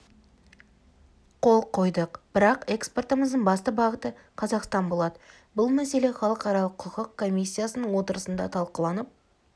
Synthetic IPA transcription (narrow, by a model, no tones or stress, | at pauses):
qʰo̞lˠqʰo̞jd̪əqb̥ɪɾɑqe̞kspo̞rt̪əməzd̪əɴbɑst̪əbɑʁət̪ə | qʰɑzɑqst̪ɑnbo̞lˠɑd̪ə | bʊlˠmæse̞le̞χɑlˠəqɑɾɑlˠəqʰːʊqəqkʰːo̞mijsʲːijasənəɴwo̞t̪əɾəsənd̪ɑ̰t̪ʰɑlˠqəlˠɑnəp̚